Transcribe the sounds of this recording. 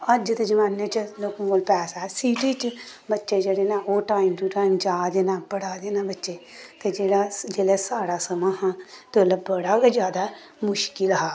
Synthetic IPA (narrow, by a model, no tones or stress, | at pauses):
əd͡ʒt̪ed͡ʒəmaːneːt͡ʃəlokmoːlpɛːsaːsiːʈiːt͡ʃ | bətːʃeːd͡ʒeːɽeːnãːoːʈaːimʈuʈaːimd͡ʒaːd̪eːnaːbəɽaːd̪eːnãːbətːʃeːt̪ed͡ʒeːɽaːd͡ʒeːlɛːsaːɽaːsəmãːɦãːt̪ːələbbəɽaːed͡ʒjaːd̪aː | mʊʃkɪlɦaː